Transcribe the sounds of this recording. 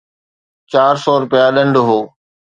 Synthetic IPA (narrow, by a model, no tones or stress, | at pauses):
t͡ɕaːɾsɔːɾʊpɪjaɗɐ̃ɳɖɦoː